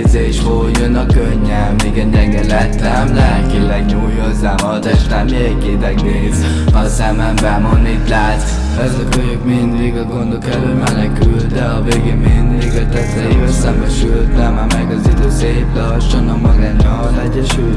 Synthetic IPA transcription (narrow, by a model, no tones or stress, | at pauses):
zeːʃhojønɒkøɲːɛːiːɡɛɟɛŋɡɛlɛt̪ːɛmlɛɦɛt̪ilɛɡɲuːjozːamɒt̪ɛʃnɛmːeɛkeːt̪ɛɡneːz | ɒsɛmɛmbɛmonːit̪laːt̪ | ɛzɒkøɲøkmind̪liɡɒɡo̞nd̪okɛløːmɛnɛkylt̪d̪ɛɒveːɡemind̪liɡɒt̪ɛtlɛjiøsɛmbɛʃylt̪nɛmamɛɡɒzid̪øːseːplɒ | ʃɒnɒmɒɡanɒ | lɛɟːɛʃylt̪